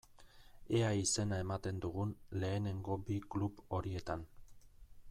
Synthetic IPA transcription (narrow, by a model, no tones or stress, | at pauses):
eaise̞nae̞mat̪e̞nd̪uɣunle̞ːne̞ŋɡo̞biklupo̞ɾie̞t̪an